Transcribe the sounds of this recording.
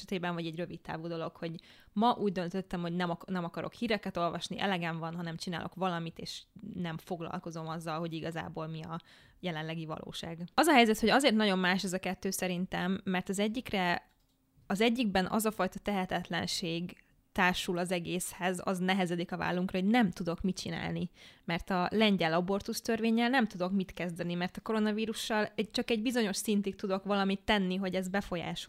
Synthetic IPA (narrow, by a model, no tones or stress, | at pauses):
ɛt̪eːbɛɱvɒɟɛɟrø̞vit̪ːa̰ːvuːd̪o̞lo̞kho̞ɟ | mɒʔuːɟd̪ø̞nt̪øt̪ːɛmho̞ɟnɛmnɛmɒkɒɾo̞̰khiːɾɛkɛt̪o̞lvɒ̰ʃniʔɛ̰lɛɡɛɱvɒnɦɒnɛmt͡ʃinaːlʔo̞̰kʋɒlɒmit̪ḛːʃnɛɱfo̞ɡlɒ̰lko̞zo̞mɒzːɒlɦo̞ɟiɡɒza̰ːboːlmiɒ | jɛlɛnlɛɡivɒ̰lʔo̰ːʃa̰ːɡɒzɒɦɛjzɛt̪ho̞ɟɒzeːrt̪nɒɟo̞mmaːʃɛzɒkɛt̪ːøːsɛɾint̪ɛmːɛrt̪ɒzɛɟːikrɛ | ɒzɛɟːiɡ̚bɛnʔɒ̰zɒfɒjt̪ɒt̪ɛɦɛt̪ɛt̪lɛ̰nʃeːɡ | t̪aːrʃulɒzɛɡeːshɛzɒ̰znɛɦɛzɛd̪ikɒva̰ːlːuŋkrɒɦo̞ɟnɛmt̪ud̪o̞kmit͡ʃina̰ːlnimɛrt̪ɒlɛɲɟɛlɒbo̞rt̪ust̪ø̞rveːɲːɛlnɛmt̪ud̪o̞kmit̪kɛzd̪ɛnimɛrt̪ɒko̞ɾo̞nɒviːɾuʃːɒlɛt͡ʃɒkɛɟbizo̞ɲo̞ʃsint̪ikt̪ud̪o̞kʋɒlɒmit̪ːɛnːiɦo̞ɟɛzbɛfo̞ja̰ːʃo